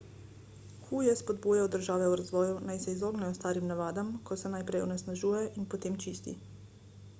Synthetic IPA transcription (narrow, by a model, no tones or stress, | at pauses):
xuːjɛspod̪buːjajɔd̪əɾʒaːʋɛuɾazʋɔːjunajsɛizoːɡnɛjɔst̪aːɾimnaʋaːd̪amkʰɔsɛnajpɾɛjɔnɛsnaʒuːjɛʔinpot̪eːmt͡ʃiːst̪ḭ